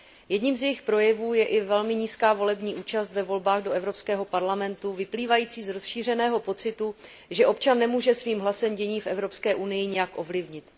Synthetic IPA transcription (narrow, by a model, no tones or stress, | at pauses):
jɛdɲiːmzjɛjɪxpɾo̞jɛvuːjɛʔɪvɛlmɪɲiːskaːvo̞lɛbɲiːʔuːt͡ʃast̪vɛvo̞lbaːɣdo̞ʔɛvɾo̞pskɛːɦo̞paɾlamɛnt̪uvɪpliːvajiːt͡siːzɾo̞sʃiːr̝ɛnɛːɦo̞po̞t͡sɪt̪u | ʒɛʔo̞pt͡ʃanːɛmuːʒɛsviːmɦlasɛmɟɛɲiːfʔɛvɾo̞pskɛːʔunɪjɪɲɛjakʔo̞vlɪvɲɪt̪